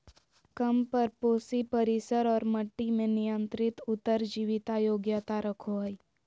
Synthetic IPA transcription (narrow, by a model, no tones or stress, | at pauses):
kɐmpɐɾpoːsipɐɾɪsəɾɔːɾmɐʈːimẽnɪjə̃nt̪ɾɪt̪ʊt̪ːəɾd͡ʒiːʋɪt̪ajoːɡjət̪aɾɐkʰoɦi